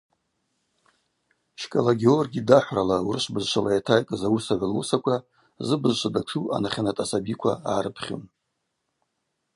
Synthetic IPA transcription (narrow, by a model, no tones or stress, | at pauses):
ʃkʼalaɡʲeorɡʲidaħʷralaurɨʃʷbɨzʃʷalajatʰajkʼazawusaʕʷlwṵsakʷʰa | zɨbɨzʃʷadaʈ͡ʂʰuʔa̰naχʲanatʼasabikʷʰa̰aːɾɨpʰχʲo̰n